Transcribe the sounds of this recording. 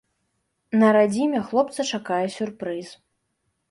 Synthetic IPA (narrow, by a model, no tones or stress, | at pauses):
nɐɾad͡zʲimʲɛxlˠɔp̚t̪sɐt͡ʂakajɛsʲurpɾɨz